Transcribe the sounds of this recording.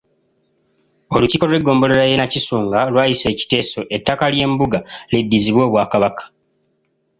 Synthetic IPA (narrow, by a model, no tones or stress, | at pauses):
o̞luciko̞eɡːo̞ːmbo̞leɾajenacisuːŋɡalwaːjise̞ːci̥te̞ːso̞ʔetːakalje̞ːmbuɡalidːiziβwo̞ːβwaːkaβakḁ